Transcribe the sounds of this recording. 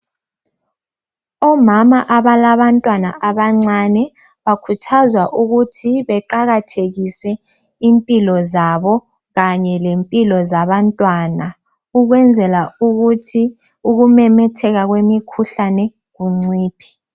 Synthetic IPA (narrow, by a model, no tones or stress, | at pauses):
ɔmamaʔaβalaβantʼwana̰ʔaβaŋ͡ǀanɛ | βakʰutʰazwaʔuɣutʰiβɛǃaɣatʰeɣisɛ | impʼilɔzaβɔ | ɣaɲɛlempʼilɔzaβantʼwana | uɣwɛnd͡zʱɛlauɣutʰi | uɣumɛmɛtʰɛɣaɣwemikʰuɬanɛ | ɣuŋ͡ǀiːpʰi̥